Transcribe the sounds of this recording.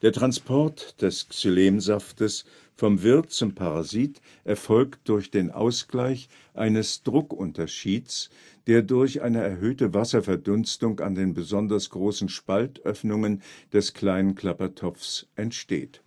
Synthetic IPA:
d̥eːɐtʁ̥anspʰɔɐtd̥ɛst͡suleːmzaftəs | fɔmvɪɐtt͡sʊmpʰaʁazit | ʔɛɐfɔlktd̥ʊɐçd̥eːnʔa̰ʊsɡ̥laɪç | ʔaɪnəsd̥ʁʊkʔʊntɐʃiːt͡s | d̥eːɐdʊɐçʔa̰ɪnəɛɐɦøːtəvasɐfɛɐdʊnstʊŋka̰ndeːnbəzɔndɐsɡ̥ʁoːsn̩ʃpaltʔœfnʊŋənd̥ɛskʰl̥aɪnənkʰl̥apɐtʰɔp͡fsʔɛntʃtḛːt

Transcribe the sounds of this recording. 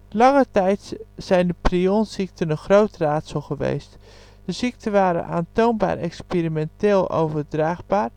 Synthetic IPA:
lɑŋətɛjtz̥ɛjndəprionsik̚tənənxrowtraːtsoχəʋḛjst | d̥əzik̚tʰənʋaːɾə̰nʔa̰ːntownba̰ːɾɛ̰kspirimɛntɪːlˠo̰wvərdraːχbaːr

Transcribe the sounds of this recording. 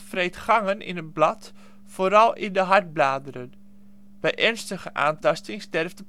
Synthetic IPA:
frejtχaŋənḭnət̚blɑt | foːɾɑlˠḭndəɦaɹt̚blaːdəɾən | b̥ɛjʔɛrnstəχəʔa̰ːntɑstɪŋstɛrvtə

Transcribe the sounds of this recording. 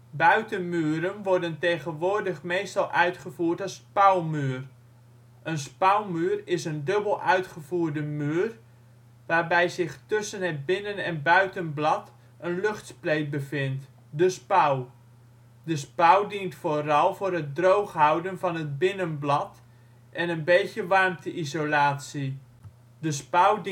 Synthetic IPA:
bœɥtəmyːɾənʋɔɹdəntejχənʋʊːrdəχmejstɑlˠʔœɥtχəvuːɹtɔspawmyːr | ʔənspawmyːrɪsəndɵbəlˠʔœɥtχəvuːrdəmyːr | ʋaːrbɛjzɪχtɵsənɦəd̚bɪnənɛnbœɥtənblɑt | ʔənlɵχtsplejt̚bəfɪnt | dəspaw | dəspawdintfoːrɑlˠvʊːrɦət̚drowχɦawdənvɑnɦət̚bɪnənblɑt | ʔɛnənbejtjəʋɑrmtʰəʔizolaːtsi | dəspaw

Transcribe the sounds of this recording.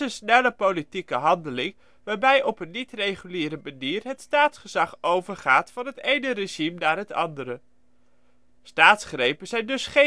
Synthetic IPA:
ənsnɛləpowlitikəɦɑndəlɪŋ | ʋaːɹbɛjʔɔpənːitrejχyliːɾəmaniːrɦətstaːtsχəz̥ɑχowvəɹχaːtfɑnɦətejnəreʒimnaːɹɦətɑ̰ndəɾə | staːtsχrejpənz̥ɛjndɵsχe

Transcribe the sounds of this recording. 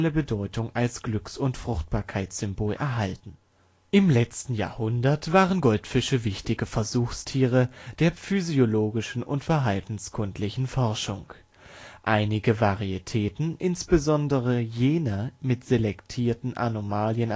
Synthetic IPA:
ləbədɔʏtʰʊŋalsɡ̥lʏksʊntfʁ̥ʊχt̚b̥aːɐkʰaɪtsz̥ʏmboːlʔɛ̰ɐɦaltn̩ | ʔɪmlɛt͡stn̩ja̰ːɐhʊndɐtv̥aːʁənɡɔltfɪʃəvɪçtɪɡəfɛɐzuːxstʰiːʁəd̥eːɐfyzioloːɡɪʃn̩ʔʊ̰ntfɛɐɦaltn̩skʰʊntʰlɪçn̩fɔɐʃʊ̰ŋ | ʔaɪnɪɡəvaʁietʰɛːtn̩ʔɪnsb̥əzɔndəʁ̞əjeːnɐmɪtz̥elɛktʰiːɐtn̩ʔa̰nomaːljən

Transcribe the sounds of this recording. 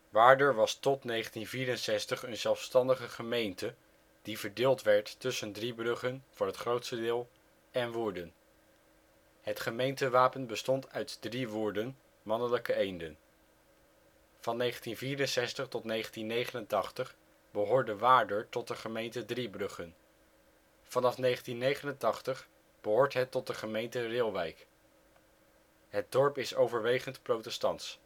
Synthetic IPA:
ʋaːɹdəɹʋɑstɔtnejχəntinviːɾənsɛstəχənzɛlˠfstɑndəχəχəmejntə | d̥ivəɹdɪːlˠtʋɛɹtːɵsəndribrɵχənv̥ʊːɹɦətχrowtstədɪːlˠ | ɛnʋuːɹdən | ɦətχəmejntəʋaːpənbəstɔntœɥtdriʋʊːɹdən | mɑnələkəejndən | fɑnːejχəntinviːrənsɛstəχtɔtnejχəntinːejχənəntɑχtəχ | bəɦʊːɹdəʋaːdəɹtɔt̚dəχəmejntədribrɵχən | fɑnɑfnejχəntinːejχənəntɑχtəχ | b̥əɦʊːɹtɦɛtːɔt̚dəχəmejntərɪlˠʋɛjk | ɦət̚dɔɹpɪsowvəɹʋejχəntprowtɛstɑnts

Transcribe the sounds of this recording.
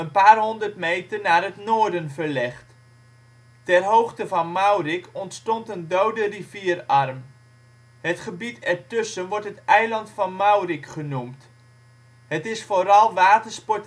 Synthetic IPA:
ənpaːrɦɔndərtmejtərnaːrɦətnoːɹdənvərlɛχt | tɛrɦowχtəvɑnmawrɪkɔntstɔntəndowdəriviːərɑrm | hətχəbitɛɹtɵsənʋɔɹtɦətɛjlɑntfɑnmawrɪkχənumt | hətɪsfoːɾɑlˠʋaːtərspɔt

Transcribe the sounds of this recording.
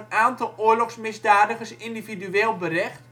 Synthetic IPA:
naːntɔlˠoəɹlɔxsmɪsdaːdəɣəsindividyeːlˠbərɛxt

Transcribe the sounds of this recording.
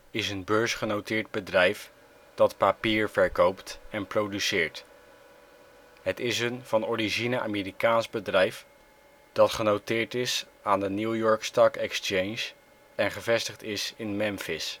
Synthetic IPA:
ɪsənbøɹsχənowtɪːɹd̚bədrɛjf | d̥ɑtpapiːɹvɛɹkowptɛnprowdysɪːɹt | ɦətɪsənv̥ɑnɔrizinəʔa̰meːrikaːnzbədrɛjf | d̥ɑtχənowtɪːɹtɪs | aːndənjujɔɹkstɑkɛkst͡ʃejns | ɛnχəvɛstəχtɪsɪnmɛmfɪs

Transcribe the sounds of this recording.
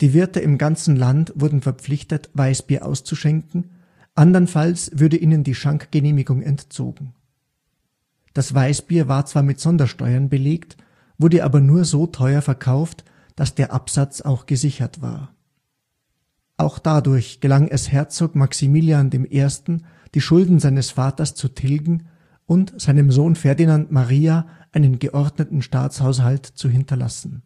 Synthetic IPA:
d̥iːvɪɐtəʔɪmɡant͡sn̩lantv̥ʊɐdn̩fɛɐpp͡flɪçtətvaɪsb̥iːɐʔa̰ʊst͡suʃɛŋkŋ̩ | ʔandɐnfalsv̥ʊɐdəʔiːnəndiːʃaŋkɡ̥əneːmɪɡʊŋʔɛntt͡so̰ːɡŋ̩ | d̥asv̥aɪsb̥iːɐvaːɐt͡sv̥aːɐmɪtz̥ɔndɐʃtɔ̰ʏɐnbəleːkt | v̥ʊɐdəʔa̰ːbɐnuːɐzoːtʰɔʏɐfɛɐkʰaʊft | d̥asd̥eːɐʔapz̥at͡saʊxɡ̥əzɪçɐtv̥a̰ːɐ | ʔaʊxd̥adʊɐçɡ̥əlaŋʔɛshɛɐt͡soːkmaksimiːljandeːmʔeːɐstn̩ | d̥iːʃʊldn̩zaɪnəsfaːtɐst͡sutʰɪlɡŋ̩ | ʔʊntz̥aɪnəmzoːnfɛɐdinantmaʁiːaʔaɪnənɡəʔɔɐdnətn̩ʃta̰ːt͡shaʊs̬haltt͡suɦɪntɐla̰sn̩

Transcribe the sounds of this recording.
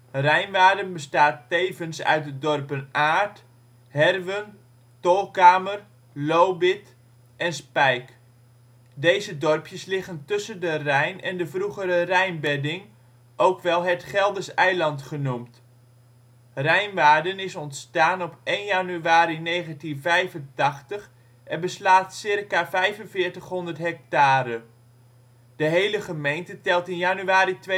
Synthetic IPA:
rɛjnʋaːdənbəstaːtːeːvənsœ̰ɥt̚dədɔrpənaːrt | hɛrʋən | tolˠkaːmər | lowbɪt | ʔɛnspɛjk | dejzədɔrpjəslɪχəntɵsəndərɛjnɛ̰ndəvruχəɾərɛjnbɛdɪŋ | ʔowkʋɛlˠɦətχɛlˠdəsɛjlɑntχənumt | rɛjnʋaːɹdənɪsɔntstaːnɔpejnjanyaːɾinejχəntinvɛjvəntɑχtəχ | ʔɛnbəslaːtsɪrkavɛjvənvɪːɹtəχɦɔndətɦɛk̚taːɾə | d̥əɦejləχəmejntətɛlˠtɪnjanyaːɾitʋe

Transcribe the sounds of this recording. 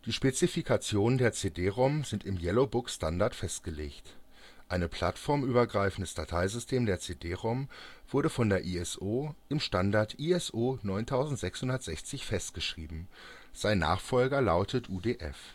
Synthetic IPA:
d̥iːʃpet͡sifikʰat͡sjoːnəndeːɐt͡seːdeːʁaʊmzɪntɪmjɛlobʊksʃtandaɐtfɛstɡ̥əleːçt | ʔaɪnəpʰl̥atfɔɐmʔyːbɐɡʁaɪfn̩dəsd̥atʰaɪzʏstʰeːmdeːɐt͡seːdeːʁaʊmv̥ʊɐɾəfɔndeːɐʔiːɛsʔoːɪmʃtandaɐtʔiːɛsʔoːnɔʏntʰaʊzn̩tz̥ɛkshʊndɐtz̥ɛçt͡sɪçfɛstɡ̥əʃʁ̥iːbm̩ | z̥aɪnːa̰ːχfɔlɡɐlaʊtʰətʰʔuːdeːʔɛ̰f

